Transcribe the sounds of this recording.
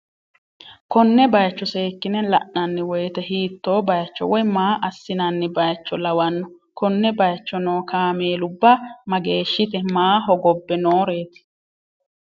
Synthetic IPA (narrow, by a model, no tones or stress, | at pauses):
kɔnːɛbɐjt͡ʃːɔseːkːɪnɛlɐ̰ʔnɐnːɪwɔjt̪ɛɦiːt̪ːo̞ːbɐjɐt͡ʃːɔ̰wɔjmaːʔɐsːɪnɐnːɪbɐjt͡ʃːɔlɐwɐnːɔ | kɔnːɛbɐjt͡ʃːɔnoːkʰaːmeːlʊbːɐmɐɡe̞ːʃːɪt̪ɛmaːɦɔɡɔbːɛnoːɾe̞ːt̪ɪ̥